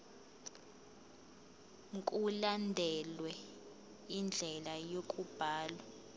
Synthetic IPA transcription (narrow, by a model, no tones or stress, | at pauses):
ŋ̩kʼulandʱɛlwɛ | ind͡ɮʱɛlajokʼub̥ʱaːlwa